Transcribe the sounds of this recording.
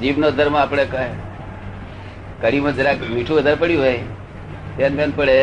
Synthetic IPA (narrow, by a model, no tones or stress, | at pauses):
d͡ʒiːʋnoːd̪ʱəɾmãəpɽeka | kəɽimãd͡ʒəɾamiʈʰũəd̪ʱaɾpəɽjuʋə | t̪eːnmenpəɽe